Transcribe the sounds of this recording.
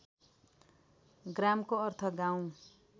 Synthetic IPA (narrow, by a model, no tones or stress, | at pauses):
ɡramkoʌrt̪ʰʌɡãw̃